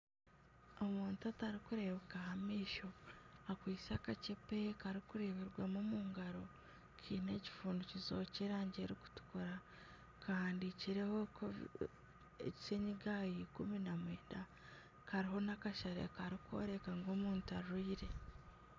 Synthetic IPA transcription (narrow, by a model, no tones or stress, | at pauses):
o̞muːntuataɾikuɾe̞βekahamiːʃo̞akwiːsakacepe̞kaɾikuɾeβiɾɡwamumuːŋɡaɾo̞ | cʰiːne̞ci̥fuːnducizo̞ciɾaːɲɟe̞ɾiku̥tu̥kuɾa | kʰahaːndiciɾe̞hokʰo | ḛɟi̥seɲiɡajikuminamweːnda | kaɾiɦo̞nakaʃaɾḛkaɾiko̞̰ɾe̞kaŋɡo̞ːmuːntuaɾɾuiɾe̞